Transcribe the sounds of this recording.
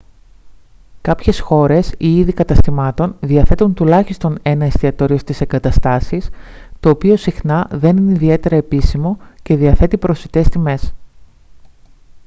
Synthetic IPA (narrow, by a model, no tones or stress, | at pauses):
kɐpçe̞sxo̞ɾe̞siiðikɐt̪ɐst̪imɐt̪o̞nðiɐθe̞t̪unt̪ulɐçist̪o̞ne̞nɐist̪iɐt̪o̞ɾiost̪ise̞ŋɡɐt̪ɐst̪ɐsis | t̪o̞ːpio̞sixnɐðe̞nineiðie̞t̪e̞ɾɐepisimo̞ce̞ðiɐθe̞t̪ipɾo̞sit̪e̞st̪ime̞s